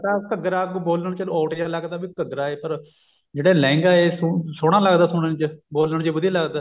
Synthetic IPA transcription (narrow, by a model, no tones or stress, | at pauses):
t̪ãːkəɡɾaːkːboːləɳt͡ʃəlɔːʈjaːləɡd̪aːbikəɡɾaːeːpəɾ | d͡ʒeːɽaːlɛ̃ːŋɡaːeːssoːɽ̃aːləɡd̪aːsoɽənt͡ʃboːlːəɳt͡ʃebʊd̪iːləɡd̪aː